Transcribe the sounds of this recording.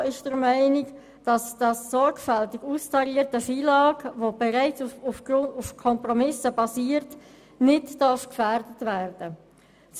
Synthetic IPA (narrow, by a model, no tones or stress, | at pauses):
ɪʃd̥əɾmæɪnɪk | d̥ɑsd̥ɑsːɔɾkfɛltɪɡuːstʰɑɾiːəɾtəfiːlɑːkʋob̥ɛʁaɪt͡suufɡ̥ɾʊndufkʰɔmpʁɔmɪsəbɑsiːəɾt | nɪtd̥ɑɾfkfæɾdətvæːɾd̥ə | s